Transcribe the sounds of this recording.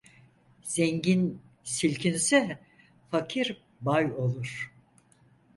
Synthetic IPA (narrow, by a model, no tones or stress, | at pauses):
z̥ɛɲɟin | silʲcʰinsɛ | fakʰiɾ | bajo̞lˠuɾ̥